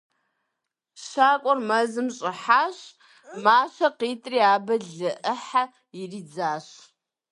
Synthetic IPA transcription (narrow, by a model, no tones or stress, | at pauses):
ɕaːkʷʼɔrmɐzɨmɕʼɪħaːɕ | maːɕɐqiːtʼriːaːbɐɮɨʔəħa | ɪriːd͡zaːɕ